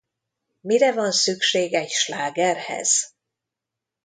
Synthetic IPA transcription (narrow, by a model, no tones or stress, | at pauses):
miɾɛvɒnsykʃeːɡɛɟʃlaːɡɛrhɛ̰z̥